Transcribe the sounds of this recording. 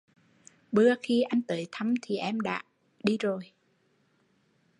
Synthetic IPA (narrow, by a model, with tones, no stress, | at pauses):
ɓɨ˧əxi˧ʔa˧jŋ̟t̪əː˨˦jt̪ʰa˧mt̪ʰi˨˩ʔɛ˧mɗa̰ː˧˥ | ɗi˧zo˨˩j